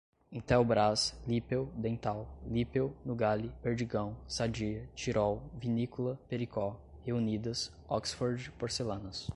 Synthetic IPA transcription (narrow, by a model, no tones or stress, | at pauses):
ẽt̪ɛwbɾaslipewd̪ẽnt̪awlipewnʊɡalipeɾd͡ʒiɡɐ̃w̃sad͡ʒiɐt͡ʃiɾɔwvinikulɐpeɾikɔheunid̪ɐs | ɔksfoɾd͡ʒpoɾselɐ̃nɐs